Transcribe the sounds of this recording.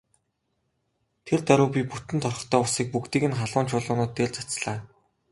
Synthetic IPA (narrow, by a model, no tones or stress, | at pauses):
t̪ʰert̪æɾʊːpʲiput̪ɘ̆nt̪ʰɔrχɞ̆χt̪ʰœːʊsiːk̚pukt̪iːɣɘ̆nχaɮʊːnt͡ɕʰʊːɮʊːnʊːt̪ːeɮʲt͡sat͡sɮaː